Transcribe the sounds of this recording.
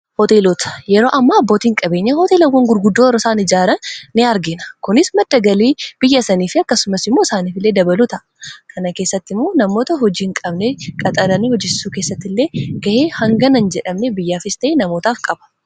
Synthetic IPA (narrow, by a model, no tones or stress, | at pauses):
hɔt̪e̞ːloːt̪ɐ̥jɛɾo̞ːʔɐmːaːbːoːt̪iːŋkʼɐbe̞ːɲːɐhɔt̪eːlɐwːɐŋɡʊɾɡʊd̪ːoːɾɐsaːnɪd͡ʒaːɾɐnːɪɐɾɡɪnɐ̥kʊnɪsmɐd̪ːɐɡɐliːb̥ɪjːɐsɐniːfɪɐkːɐsʊmɐsɪmːo̞ɪsaːniːfɪlːe̞ːd̪ɐbɐlut̪ɐʔɐkʰɐnɐke̞ːsːɐt̪ːɪmːo̞ːnɐmo̞ːt̪ɐɦɔd͡ʒiːɪŋkʼɐbnekʼɐt̪ʼɐɾɐnihɔd͡ʒɪsːuːkeːsːɐt̪ːɪlːe̞ːɡ̥ɐheːhɐŋɡɐnɐnd͡ʒɛᶑɐmnebɪjːaːfɪst̪ɐʔenɐmo̞ːt̪aːfkʼɐbɐ̥